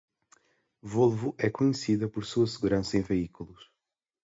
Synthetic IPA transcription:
volˠvuʔɛkuɲɨsiðɐpɔɾsuɐsɨɣuɾɐ̃sɐẽj̃veikulˠuʃ

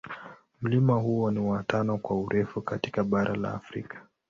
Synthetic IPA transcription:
m̩limaɦuɔniwatʰanɔkwauɾʔɛfukatikaɓaɾʔa̰la̰ːfɾḭkḁ

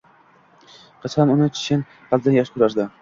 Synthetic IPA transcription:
qʰɨt͡ʃqɑnʊnɪt͡ʃʰɪ̥ʃɪn | hald̪ɪnjaʃkʰʊɾaɾd̪ɪ

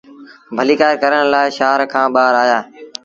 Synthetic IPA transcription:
bʱəliːkaːɾkəɾəɽlaːɪʃaːɾkʰãːɓaːɾaːjaː

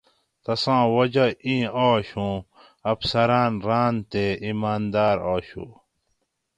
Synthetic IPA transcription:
t̪ɐsãːwɐd͡ʑɐĩːaːɕũ | ɐfsɐɾaːnɾaːnt̪eimaːnd̪aːɾaːɕṵ

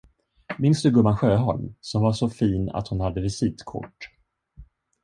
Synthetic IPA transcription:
mɪnsd̪ɵɡɵmːanɧøːɦɔ̰lmsɔmvaʂɔfiːna̰t̪hʊnhad̪ːəvɪsiːt̪kʰʊ̰ʈː

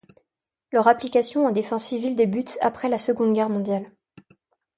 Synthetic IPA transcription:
lœʁaplikasjɔ̃ɑ̃d̪efɑ̃sivild̪ebyt̪a̰pχɛlasəɡɔ̃d̪ɡʲɛʁmɔ̃d̪jal

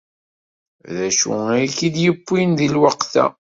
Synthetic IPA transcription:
ðæʃṵækid̪jəpːinðilwɑqθæ̰

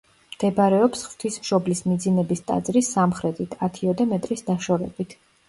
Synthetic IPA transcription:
md̪̥ɛbɾɛɔpsχv̥t̪ʰismʃɔblismid̪zinɛbist̪ʼa̰d̪zɾisːamχɾɛt̪ʼʰit̪ʰat̪ʰiɔd̪amɛt̪ʼɾisd̪aʃɔvɛ̰bit̪ʰ

